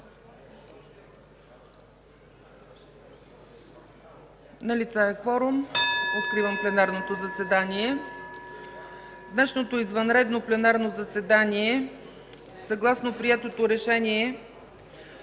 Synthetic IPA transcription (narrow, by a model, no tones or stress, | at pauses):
nɐlit̪saɛkfɔɾʊmot̪̚kɾivəmplɛnaɾnot̪ozəsɛd̪aniɛ | d̪nɛʃnot̪oizvənɾɛd̪noplɛnaɾnozɐsɛd̪aniɛ | sɐɡlˠasnopɾiɛt̪ot̪oɾɛʃɛniɛ